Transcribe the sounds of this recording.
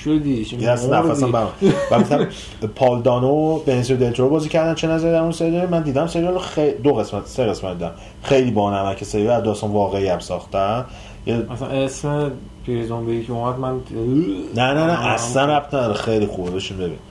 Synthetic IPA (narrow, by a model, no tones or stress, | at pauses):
ʃod̪iæsnæfæsæmbæɾuvæɡoft̪æ | pʰɒːld̪ɒːnobenenseɾd̪elt̪ʰoɾobɒːziːcʰæɾd̪ænt͡ʃʰenæzæɾid̪æɾunseɾid̪ɒɾimænd̪iːd̪æmseɾd͡ʒ̪ɒloxed̪oɣe̞smæt̪ʰseɣe̞smæt̪̚d̪iːd̪æm | xejliːbɒnæmæcʰeseɾivæɾd̪ɒst̪ɒnvɒːɣeijæmsɒːχt̪æn | jeæsænesme | pʰiɾezombejikʰomæd̪mæn | nænænæʔæsslænæft̪ʰnæd̪ɒɾexejlixubebeʃimbebḭːn